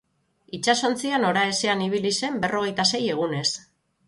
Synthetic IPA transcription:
it͡ʃaso̞nt͡siano̞ɾae̞se̞aniβ̞ilise̞mbe̞rʔo̞ɣ̞e̞jt̪ase̞je̞ɣ̞une̞s

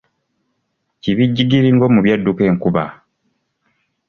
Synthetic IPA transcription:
ciβiɟːiɡiɾiŋɡo̞muβjadːuke̞ːŋkuβa̰

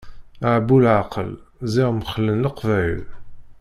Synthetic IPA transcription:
ʕbulʕaqəlziʁmχəlːənləqvæjl

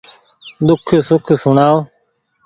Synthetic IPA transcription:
d̪ʊkʰsʊkʰsʊɳaːo

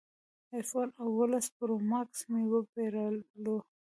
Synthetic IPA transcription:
ajfonawolaspɾomaksmiwəpeɾəlo

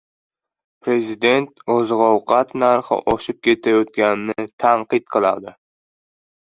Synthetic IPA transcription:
pʰɾezid̪ent̪ozʁowqʰɑt̪næɾχɨ̰ʔoʃup̚kʲʰet̪ʰɛjot̪̚kʲænɪnɪt̪ʰæɴqɨt̪̚qʰəlˠɑ̰d̪ɨ

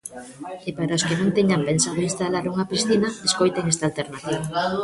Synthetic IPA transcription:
epaɾaoskenõnt̪eɲampensaðoinst̪alaɾuŋapisθinaeskojt̪eŋest̪alt̪eɾnat̪iβa

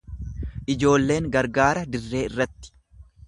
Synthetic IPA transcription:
ʔɪd͡ʒo̞ːlːe̞ːŋɡɐɾɡaːɾɐd̪ɪrːe̞ːɪrːɐt̪ːɪ̥

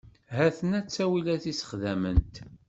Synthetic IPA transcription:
ɦæθənæt͡sːæwilæθisə̥χðæmənt̪

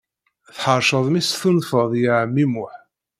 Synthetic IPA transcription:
θħəɾʃəðˤmisθunfəðˤjəʕəmːimʊħ

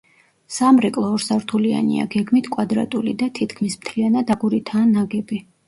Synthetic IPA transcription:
samɾɛkʼlˠɔːɾsaɾt̪ʰulia̰nḭa̰ɡɛɡmit̪ʰkʼwad̪ɾa̰t̪ʼulḭd̪at̪ʰit̪ʰkʰmismt̪ʰlianad̪aɡuɾit̪ʰaːnaɡɛbi

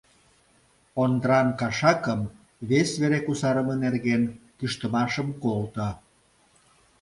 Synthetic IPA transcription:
ond̪əɾɑnkɑʃɑkəm | βesβeɾekusɑɾəmənerɣenkyʃt̪ə̆mɑʃəmkolt̪ɑ

